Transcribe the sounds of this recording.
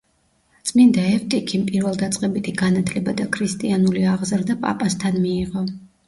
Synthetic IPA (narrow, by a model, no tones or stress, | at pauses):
t̪sʼmind̪aɛft̪ʼikʰimpʼiɾvɛlˠd̪at̪sʼqʼɛbit̪ʰiɡanat̪ʰlɛbad̪akʰɾist̪ʼianuliaʁzɾd̪apʼa̰pʼast̪ʰanmiːʁɔ